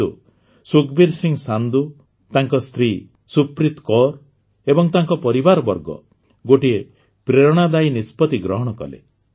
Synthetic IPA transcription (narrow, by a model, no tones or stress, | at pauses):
ṵ | sukbiɾsiŋsand̪u | t̪aŋkɔst̪ɾi | supɾit̪kɔɾ | ebɔŋt̪aŋkɔpɔɾibaɾɔbɔɾɡɔ̰ | ɡoʈie | pɾeɾɔɽ̃ad̪ajnispɔt̪iɡɾɔɦɔɽ̃ɔkɔ̰lḛ